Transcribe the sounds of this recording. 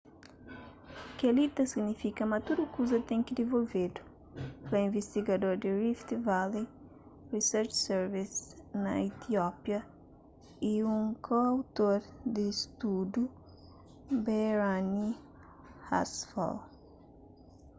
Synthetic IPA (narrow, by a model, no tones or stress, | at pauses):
kelit̪ɐsiɡnifikɐmat̪uɾukuzɐt̪ɛ̃ŋkɪd̪evolved̪u̥ | plɐĩɱvest̪iɡad̪oɾd̪ɪrift̪vali | risɛɾt͡ʃsɛɾvisnɐ̰it̪iɔpjɐ | iũŋkʰoawt̪oɾd̪ɪst̪ud̪ju | beɾani | ha̰sfɔ̰l